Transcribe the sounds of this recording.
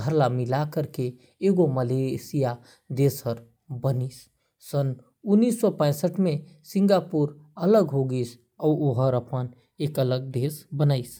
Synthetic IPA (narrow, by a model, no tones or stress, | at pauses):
ɡʱəɾlamilakəɾkeː | ɡoməlesija | d̪esəɾ | bənisː | ən | unːisːɔpə̃ɪsəʈme | sĩŋɡapuɾələɡɦoɡis | aoɦəɾəpən | ekələɡ̚d̪esbənaɪs